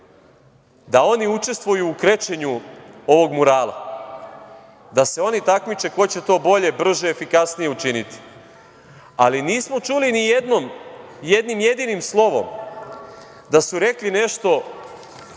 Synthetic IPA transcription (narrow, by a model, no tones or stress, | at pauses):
d̪ao̞niut͡ʃe̞st̪ʋujuːkɾet͡ɕe̞ɲuo̞ʋo̞ɡmuɾaːla̰ | d̪ase̞o̞nit̪akmit͡ʃe̞ko̞t͡ɕe̞t̪o̞ːbo̞ʎe̞br̩ʒeefikasnije̞ut͡ʃinit̪i̥ | aliniːsmo̞t͡ʃulinijed̪nomje̞d̪nimje̞d̪inimslˠo̞ʋo̞̰m | d̪asuɾe̞kline̞ʃt̪o̞